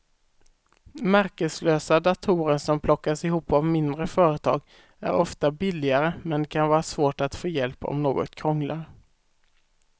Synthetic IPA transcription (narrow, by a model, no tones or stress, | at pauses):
mæɾkəsløːsad̪at̪ʰuːɾəɾsɔmpʰlɔkːasɪɦuːpːavmɪnd̪ɾəfœːɾət̪ʰɑ̰ːɡ | æ̰ɾɔft̪abɪlɪɡaɾəmɛnd̪kʰanvɑːɾasvoːʈat̪foːjɛlpɔ̰mnoːɡɔ̰t̪kʰɾɔŋlaɾ